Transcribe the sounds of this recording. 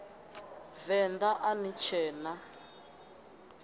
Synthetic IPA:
vɛnd̪aʔanit͡ʃʰɛːna

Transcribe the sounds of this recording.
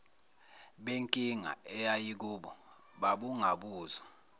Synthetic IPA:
ɓeŋkʼiŋa̰ɛjajik̬uːɓɔ | ɓaɓuŋʱaɓuːza

